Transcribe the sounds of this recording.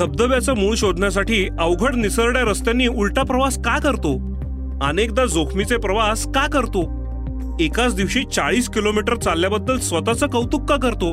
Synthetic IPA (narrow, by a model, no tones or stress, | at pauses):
sʰəb̚d̪əʋjat͡səmuɭ̃ɕod̪ʱnjas̬aʈiːəʋɡʱəɽnisəɾɽjaɾəst̪janːiːuɭʈapɾəʋaskajkəɾt̪o | aənekd̪ad͡zokʰmit͡sepɾəʋaskakəɾt̪o | ekat͡sd̪iʋɕit͡saɭiːskilomiʈəɾt͡salːjabəd̪ːəlsʋət̪at͡səkəwt̪ukːakəɾt̪o